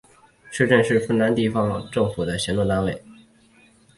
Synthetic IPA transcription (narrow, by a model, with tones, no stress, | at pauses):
ʂɻ̩˥˧ʈ͡ʂə˥˧nʂɻ̩˥˧fə˥˩nna˧˥nt̪i˥˩fɑ˧˥ŋʈ͡ʂɤ˥˩ŋfu˨˩d̪ə˦ɕjɛ˧˥nlwɔ˥˩t̪a˥nwe˥˩ɪ